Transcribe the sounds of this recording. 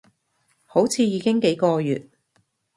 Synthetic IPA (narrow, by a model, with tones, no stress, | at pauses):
ho˨˥wt͡sʰiː˧jiː˨˧kɪ˥ŋke˨˥jkɔː˧jy̰ː˨t̚